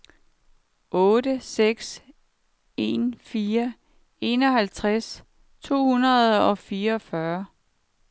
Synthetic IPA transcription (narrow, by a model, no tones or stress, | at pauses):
ʔɔ̽ːdəseɡ̥s | e̝nfiːɐ | e̝ːnɒ̽ɦælt͡sʰʁas | t͡sʰo̝̰ːhunɐðˠɒ̽fiːɐɒ̽fɶɐ